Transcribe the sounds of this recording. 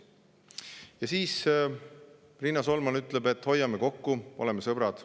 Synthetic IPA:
jɑsiːs | rinːɑso̞lmɑnyt̪ˑlɛbe̞t̪ːˑho̞jːɑme̞ko̞kːuo̞̰lɛmesɤb̥ɾɑd̪̥

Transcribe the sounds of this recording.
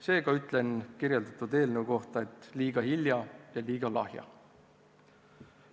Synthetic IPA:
se̞ːɡ̥ɑyt̪ˑlenkirjeld̪ɑt̪ːˑud̪e̞ːlneuko̞ht̪ɑe̞t̪ːˑliːɡ̥ɑhiljɑjɑliːɡ̥ɑlɑ̰hjɑ̰

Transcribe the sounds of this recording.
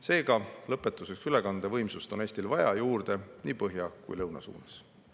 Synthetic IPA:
se̞ːɡɑlɤpːˑe̞t̪ːˑuse̞ksyle̞kɑnd̪̥evɤjmsust̪o̞neːst̪ilvɑjɑjuːrd̪̥e̞niːpɤɦjɑkṵjlɤwnɑ̰sṵːnɑs

